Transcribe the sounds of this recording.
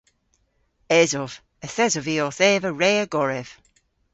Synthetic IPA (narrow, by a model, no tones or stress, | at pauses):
ɛzɔv | əθɛzɔviɔθeːvəɹeːəɡɔɹɛv̥